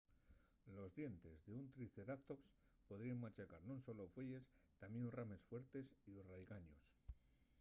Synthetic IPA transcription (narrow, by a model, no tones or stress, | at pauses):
lo̞zðje̞nt̪e̞zðeunt̪ɾiθe̞ɾat̪o̞ps | po̞ðɾiaŋmat͡ʃakaɾnũnso̞lofwe̞ʝe̞st̪amjenurame̞sfwe̞ɾt̪e̞siurajɣaɲos